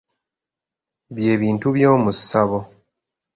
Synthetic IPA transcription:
βje̞ːβiːntuβjo̞ːmusaβo̞

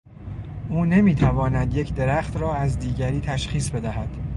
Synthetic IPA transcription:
ʔuːne̞miːt̪ʰævɒːnæd̪je̞cʰd̪e̞ɾæxt̪ɾɒːæzd̪iːɟæɾiːt̪ʰæʃχiːsbe̞d̪æɦæd̪̥

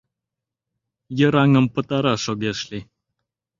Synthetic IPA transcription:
jəɾaŋəmpət̪aɾaʃoɡʲeʃli

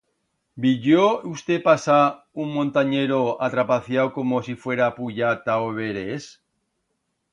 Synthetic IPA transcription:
biʎjoust̪epasa | uŋmõnt̪aɲeɾoat̪ɾapaθjawkomosifweɾapuʎat̪aoβeɾes

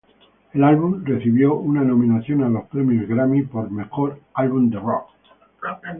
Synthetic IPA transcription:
elalβunre̞θiβjo̞unano̞mĩnaθjo̞nalo̞spɾe̞mjozɣɾamipo̞ɾme̞xoɾalβund̪erok

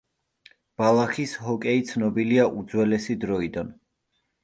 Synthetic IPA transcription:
b̥alˠaχishɔkʼɛit̪sʰnɔbiliaʔud̪zwɛlɛsid̪ɾɔid̪an

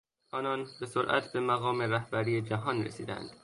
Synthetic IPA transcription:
ʔɒːnɒnbesoɾʔæ̰t̪ʰbemæɣɒːme̞ɾæhbæɾiːed͡ʒæɦɒːnrḛsiːd̪æ̰nd̪̥

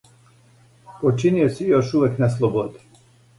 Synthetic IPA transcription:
pot͡ʃinijosijoʃuʋekneslˠobod̪i̥

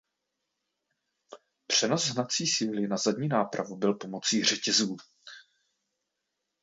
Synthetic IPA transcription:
pr̝̥ɛno̞sɦnat̪t͡siːsiːlɪnazadɲiːnaːpɾa̰vubɪlpo̞mo̞t͡siːr̝ɛcɛzuː

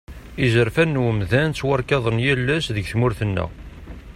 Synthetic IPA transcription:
izəɾfænːwəmðænt͡sːwɑɾˤkɑðˤənjælːæsðəʝθmʊɾθənːæ̰

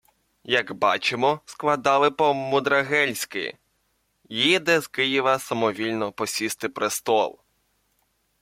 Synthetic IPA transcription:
jɐɡbɑt͡ʃemɔsklˠɐd̪ɑlˠɪpɔmʊd̪ɾɐɦɛlʲsʲkɪ̰ | jid̪ɛzkɪjɪʋɐsɐmɔʋʲilʲnɔpɔsʲist̪ɪpɾɪst̪ɔlˠ

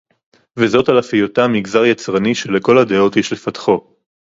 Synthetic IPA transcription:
vezo̞talafijotamiɡzaʁjat͡sʁaniʃeleko̞lhad̪eo̞thiʃlefatχo̞

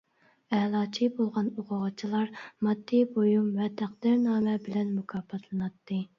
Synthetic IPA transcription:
ɛlˠɑːt͡ʃʰibolˠʁɑnoʁɑʁɑt͡ʃʰilˠɑɾmɑd̪ːibojumvɛt̪ʰæqd̪ɪɾnɑːmɛbɪlɛnmukʰɑːpʰɑt̪ʰlˠɨnɑt̪ʰːɨ

